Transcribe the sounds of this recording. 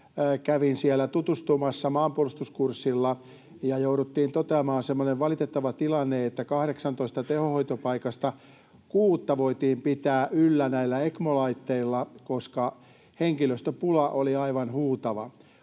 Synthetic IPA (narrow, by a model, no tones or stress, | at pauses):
kæʋinsielːˑæt̪ut̪ust̪umɑsːɑmɑːmpuolust̪uskursːilːɑ | jɑjouɾut̪ːiːnt̪ot̪eɑmɑːnsemːoneʋʋɑlit̪et̪ːɑʋɑt̪ilɑnːeet̪ːækɑhɾeksɑnt̪oist̪ɑt̪ehohoit̪opɑikɑst̪ɑ | kuːt̪ːɑʋoit̪iːmpit̪æːʔylːænæilːæekmolɑit̪ːeilːɑkoskɑ | heŋkiløst̪øpulɑʔoliɑiʋɑnhuːt̪ɑʋɑ̰